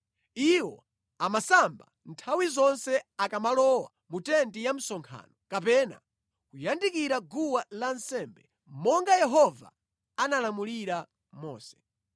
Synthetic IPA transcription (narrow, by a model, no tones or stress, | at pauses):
iwɔ̰ | amasamba̰ | ntʰawizɔnsɛakamalɔwa̰ | mutɛntijam̩sɔŋkʰa̰ːnɔkapɛna̰ | kujandikiɾaɡuwalansɛmbɛ | mɔŋɡajɛɦɔva̰ | analamuliɾa | mɔ̰ːsɛ̥